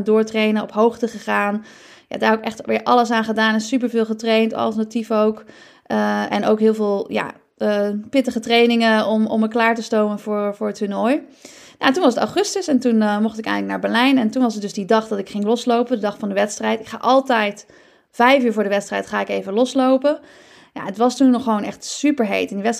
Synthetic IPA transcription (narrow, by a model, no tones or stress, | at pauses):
dʊːɹtrejnəɔpɦowχtəχəχaːn | ja̰daːɹɪkɛχtʋɪːɹʔɑləsaːnχədaːnɛnsyp̬əɹvɪːlˠχətrejntɑ̰lˠtənatifowk | ɛ̰nowkɦɪːlˠvɪːlˠja̰ | əpɪtəχətrejnɪŋəɔmɔ̰mːəklaːɹtəstowmənvʊːɹvʊːɹətunɔj | nantunʋɑsəta̰χɵstəsɛntunmɔχtɪkɛ̰jχnləkna̰ːɹbɛɹlɛjnɛntunʋɑsət̚dɵsdidɑχdɑtɪkχɪŋlɔslowpəndədɑχfɑndəʋɛtstrɛjtɪkχa̰ːʔɑlˠtɛjt | fɛjfyːɹvʊːɹdəʋɛtstrɛjtχaːɪkejvəlɔslowpə | ja̰ətʋɑstunɔχːəʋownɛχtsypəɹɦḛjtɪndiʋɛs